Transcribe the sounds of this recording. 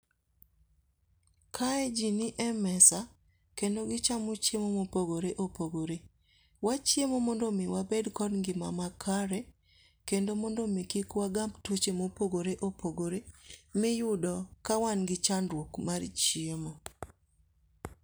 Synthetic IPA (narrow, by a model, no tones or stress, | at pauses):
kʰaɛd͡ʒinɪʔɛmɛsa | kendoɡɪt͡ʃamut͡ʃjemomopoɡoɾeʔopoɡoɾe | wat͡ʃjemomɔndomɪwabɛdkɔdŋɡɪmamakʰaɾɛ | kendomɔndomikikwaɡambtwot͡ʃemopoɡoɾeʔopʰoɡoɾemɪjʊdɔkawanɡɪt͡ʃandwokmart͡ʃjemo